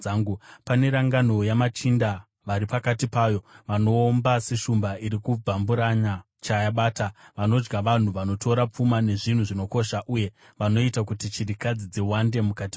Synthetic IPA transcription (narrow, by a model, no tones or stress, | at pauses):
aŋɡupane̞ɾaŋɡano̞jamat͡ʃinda | ʋaɾipakatipaːjo̞ʋano̞ːmbase̞ʃumbaiɾikubʱambuɾaɲa | t͡ʃajaɓaːtaʋano̞d͡ʒɡaʋan̤uʋano̞tʰo̞ɾap͡fumane̞ʐin̤uʐino̞ko̞ʃaʔuje̞ | ʋano̞itakutit͡ʃiɾikad͡zid͡ziwande̞mukati